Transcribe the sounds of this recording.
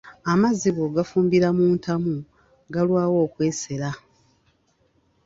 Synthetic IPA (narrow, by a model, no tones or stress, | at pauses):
amaziβoɡafuːmbiɾamuːntʰamu | ɡalwaːwo̞ːkwe̞ːse̞ɾa